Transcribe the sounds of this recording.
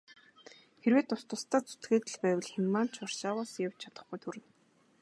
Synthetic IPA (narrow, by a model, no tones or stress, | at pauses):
xeɾweːt̪ʊst̪ʊ̆st̪aːt͡su̥t̪ɡeːt̪ɘ̆ɮpæːwə̆ɮxamːaːn̥t͡ɕʰʊr̥ʃaːwaːsjaw̥t͡ɕt͡ɕʰḁt̪ə̆χɡujt̪ʰuɾɘ̆n